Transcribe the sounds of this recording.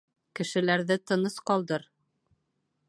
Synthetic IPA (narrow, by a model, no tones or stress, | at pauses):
kɘ̆ʃɘ̆læɾðɘt̪ɤ̆nɤsqɑɒlˠd̪ɤɾ